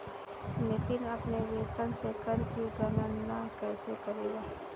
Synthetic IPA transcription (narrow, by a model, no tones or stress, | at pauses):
nɪt̪ɪnɐpneʋeːt̪ənsekɐɾbʱiɡɐnanːakɛːsekɐɾeːɡaː